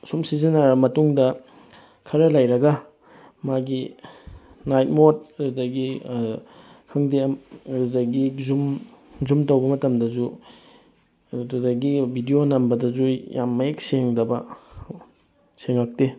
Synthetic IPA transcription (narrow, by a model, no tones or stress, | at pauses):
sumsizinaɾɐmɐtuŋdɐ | kʰɐɾɐlɐjɾɐɡɐ | maɡi | najt̚mot̚ɐdudɐɡi | kʰɐŋdemɐdudɐɡizum | zumtɐwbɐmɐtɐmdɐzu | dudɐɡibʱidionɐmbɐdɐzujʔa̰mːɐjek̚seŋdɐbɐ | seŋak̚te